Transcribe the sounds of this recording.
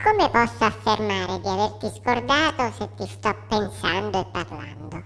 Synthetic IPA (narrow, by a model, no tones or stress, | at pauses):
kʰomepɔsːoafːermaːɾed̪iavert̪iskord̪aːt̪oset̪ːist̪ɔpːensand̪oepːarla̰nd̪o